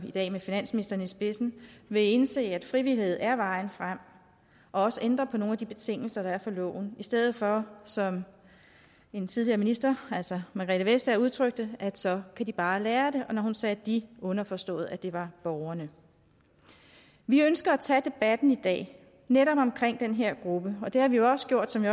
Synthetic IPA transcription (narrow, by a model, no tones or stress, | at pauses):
id̥ɛ̰ːmefinæn̰sminisd̥ɐnisb̥e̝sn̩ʋe̝e̝nse̝̰ːæd̥fʁiʋilihe̝ð̞̰ˠæɐʋɑ̈ɪn̩fʁam̰ | ʔɒ̽ɒ̽səʔend̥ʁɐpʰɒ̽no̝ːnæd̥ib̥e̝t͡sʰe̝ŋ̰l̩sɐɾ̥ɑ̈æɐfɒ̽lɔ̰ʊn̩isd̥eð̰ˠð̩ˠfɒ̽sɒ̽m | e̝nt͡sʰið̞ˠliɐːminisd̥ɐæl̰sɒmɑɡ̥ʁiləʋesd̥æɐuð̞ˠt͡sʰʁœɡ̥̚d̥əæd̥sɒ̽kʰæd̥ib̥ɑ̈ːlæːɐd̥e̝ʔɒ̽nɒhunsɛːd̥iɔ̽nɐfɒ̽sd̥ɔ̰̽ːð̩ˠæd̥e̝ʋɑ̈b̥ɒʊɐnə | ʋiønsɡ̥ɐæt͡sʰɛd̥e̝b̥æd̥n̩id̥ɛ̰ː | neɾɒ̽b̥ɒ̽mkʰʁeŋ̰d̥enɦeɐ̰ɡ̥ʁub̥əɒ̽d̥e̝hɑ̈ʋijo̝ɒ̽sə̥ɡ̥jo̝ɐ̰d̥sɒ̽mʋi